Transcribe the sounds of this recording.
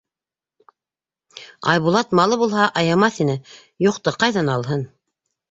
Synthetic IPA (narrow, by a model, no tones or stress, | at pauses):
ɑ̰jβulˠɑt̪mɑlˠɤβulˠɦɑʔɑjɑmɑθinɘ | juqt̪ɤqɑjðɑnɑlˠɦɤn